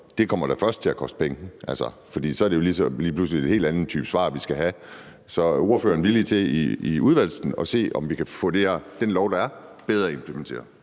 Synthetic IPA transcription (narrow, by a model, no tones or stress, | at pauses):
d̥e̝kʰɒ̽m̰ɐɾ̥æfɶɐsd̥̚t͡sʰe̝lækʰɒ̽sd̥̚pʰeŋəʔælsɒfɒd̥ḭːsɒ̽æɐɾejo̝lisɒliːplus̬lie̝̥he̝̰ːld̥ænð̩t͡sʰy̰ːb̥sʋɑ̰̈ːʋisɡ̥æɦæ | sɒ̽o̝ɐfø̰ːɐnʋilit͡sʰe̝iiuð̞ˠʋæl̰sn̩ɒ̽se̝̰ːɒ̽mʋikʰæfɔ̰d̥e̝æɐd̥enlɒʊɾ̥ɑ̈æɐb̥eð̞ˠʁɐːe̝mpʰlement͡sʰe̝̰ːɐ